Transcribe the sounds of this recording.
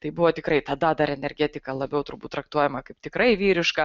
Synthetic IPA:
t̪ɐɪbʊʋoːt̪ʲɪkɾɐɪt̪ɐd̪ɐd̪ɐɾɛnʲɛɾʲɡʲæt̪ʲɪkɐlˠɐbʲɛʊt̪ʊɾbuːt̪ːɾɐk̚t̪uɔjɛmɐkɐɪpt̪ʲɪkɾɐɪʋʲiːɾʲɪʃkɐ

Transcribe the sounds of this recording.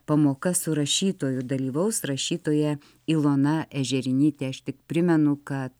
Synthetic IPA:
pɐmoːkɐsʊɾɐʃʲiːt̪oːjʊd̪ɐlʲiːʋɐʊsɾɐʃʲiːt̪oːjɛ | ilˠoːnɐʔɛʒʲɛɾʲɪnʲiːt̪ʲeːɐʃt̪ʲɪkpʲɾʲɪmʲɛnʊkɐt̪

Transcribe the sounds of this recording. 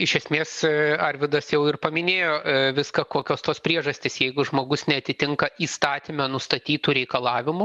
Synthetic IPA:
ɪʃʲɛsʲmʲeːsɐɾʲʋʲɪd̪ɐsjɛʊɪrpɐmʲɪnʲeːjoːʋʲɪskɐkoːkʲoːst̪oːspʲɾʲiɛʒɐsʲt̪ʲɪsjɛɪɡʊʒmoːɡʊsnʲɛɐt̪ʲɪt̪ʲɪŋkɐiːst̪ɑːt̪ʲimʲɛnʊst̪ɐt̪ʲiːt̪uːɾʲɛɪkɐlˠɑːʋʲɪmʊ

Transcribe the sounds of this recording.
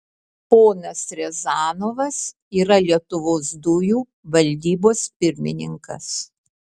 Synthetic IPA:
poːnɐsɾʲɛzɑːnoːʋɐs | iːɾɐlʲiɛt̪ʊʋoːsd̪ʊjuː | ʋɐlʲd̪ʲiːboːspʲɪɾʲmʲɪ̰nʲɪ̰ŋkɐ̰s

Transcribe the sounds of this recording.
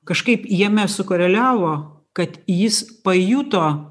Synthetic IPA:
kɐʃkɐɪpjiɛmʲɛsʊkoːɾʲɛlʲæːʋoː | kɐt̪jɪspɐjut̪oː

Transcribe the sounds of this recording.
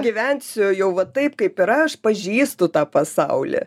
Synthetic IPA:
ɡʲɪʋʲɛnʲsʲʊjɛʊʋɐtt̪ɐɪpkɐɪpɪɾɐɐʃpɐʒʲiːst̪ʊt̪ɑːpɐsɐʊlʲɛ̰

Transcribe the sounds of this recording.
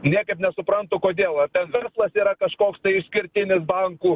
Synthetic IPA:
nʲiɛkɐɪpnʲɛsʊpɾɐnt̪ʊkoːd̪ʲeːlˠɐt̪ʲɛnʋʲɛrslˠɐsiːɾɐkɐʃkoːkst̪ɐɪɪʃsʲkʲɪɾʲt̪ʲɪnʲɪs̬bɐŋkuː

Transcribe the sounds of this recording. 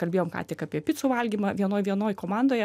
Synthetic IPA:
kɐlʲbeːjoːmkɑ̰ːt̪ʲɪkɑpʲiɛpʲɪtsʊːʋɐlʲɡʲiːmɐʋʲiɛnoːjʋʲiɛnoːjkoːmɑːnd̪oːjɛ

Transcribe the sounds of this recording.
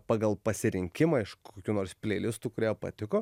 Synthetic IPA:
pɑːɡɐlˠpɐsʲɪɾʲɪŋʲkʲɪmɐːɪʃkoːkʲuːnoːɾsʲpʲlʲeɪlʲɪst̪ukʊɾʲeːpɐ̰t̪ʲɪkoː

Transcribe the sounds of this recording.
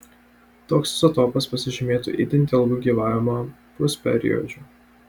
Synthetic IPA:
t̪oːksɪ̥sɐt̪oːpɐspɐsʲɪʒʲɪmʲeːt̪ṵːʔḭd̪ʲɪnʲt̪ʲɛlˠɡuːɡʲiːʋɑːʋʲɪmo | pʊsʲpʲɛ̰ɾʲɪ̰jɔ̰d͡ʒʲuː

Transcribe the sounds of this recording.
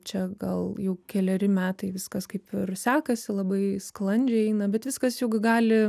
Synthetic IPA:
t͡ʃʲɛɡɐlˠjɛʊkʲɛlʲɛɾʲɪmʲæːt̪ɐɪʋʲɪskɐskɐɪpɪrsʲæːkɐsʲɪlˠɐbɐɪsklˠɐnʲd͡ʒʲɛɪɛɪnɐbʲɛt̪ʋʲɪskɐsjɛʊɡʲɪɡɑːlʲɪ

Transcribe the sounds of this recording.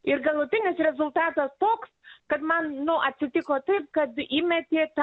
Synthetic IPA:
ɪɾɡɐlˠʊt̪ʲɪnʲɪsɾʲɛzʊlˠt̪ɑːt̪ɐst̪oːkskɐt̪mɐnnʊʔɐt̪ʲsʲɪt̪ʲɪkoːt̪ɐɪp̚kɐt̪imʲɛt̪ʲɪt̪

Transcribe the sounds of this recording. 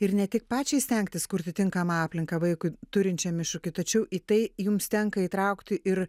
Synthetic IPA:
ɪɾnʲɛt̪ʲɪk̚pɑːt͡ʃʲɛɪsʲt̪ʲɛŋk̚t̪ʲɪskʊɾʲt̪ʲɪt̪ʲɪŋkɐmɐɑːpʲlʲɪŋkɐʋɐɪkʊɪt̪ʊɾʲɪnʲt͡ʃʲɛmʲɪʃʊkʲɪt̪ɐt͡ʃʲɛʊʔiːt̪ɐɪjʊmst̪ʲɛŋkɐit̪ɾɐʊkt̪ʲɪʔɪɾ

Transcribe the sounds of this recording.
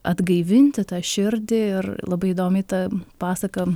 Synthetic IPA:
ʔɐd̪ɡɐɪʋʲɪnʲt̪ʲɪt̪ɑːʃʲɪɾʲd̪ʲɪɪrlˠɐbɐɪɪd̪oːmʲɪt̪ɐpɑːsɐkɐ

